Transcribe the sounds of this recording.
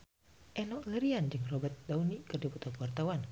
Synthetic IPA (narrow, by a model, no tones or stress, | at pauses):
ʔɛnɔʔləɾiand͡ʒɨŋrobət̪̚daunikɨrdiput̪akuwart̪awan